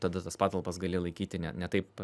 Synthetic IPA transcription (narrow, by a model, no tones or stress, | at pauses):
t̪ɐd̪ɐt̪ɐspɑːt̪ɐlˠpɐsɡɐlʲeːlˠɐɪkʲiːt̪ʲɪnʲɛnʲɛt̪ɐɪp